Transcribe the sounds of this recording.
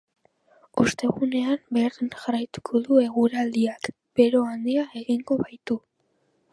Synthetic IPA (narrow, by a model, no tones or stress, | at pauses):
ust̪e̞ɣune̞ambe̞ɾðinʝarajt̪u̥kʰo̞ðue̞ɣuɾald̪iak | b̥e̞ɾo̞and̪iae̞ɣiŋɡo̞βajt̪u